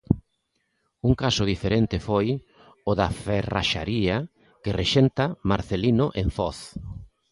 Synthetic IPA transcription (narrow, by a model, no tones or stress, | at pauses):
uŋkasʊð̞ifeɾent̪ɪfoj | ʊðafera̰ʃa̰ɾia | kereʃent̪amaɾθelinʊʔeɱfɔθ